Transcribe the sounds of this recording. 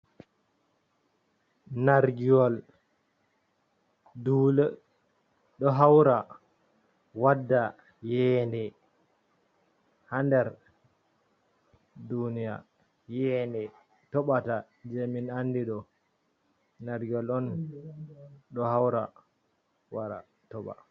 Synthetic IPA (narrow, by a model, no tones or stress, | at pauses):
naɾɡijɔl | dulɛ | ɗɔɦawɾa | wadːa | jɛːndɛ | handɛɾ | dunija̰ | jɛndɛ | tɔɓata | d͡ʒeminandiɗɔ | naɾɡiɔlɔn | ɗɔhawɾa̰ | waɾa̰ | tɔɓa̰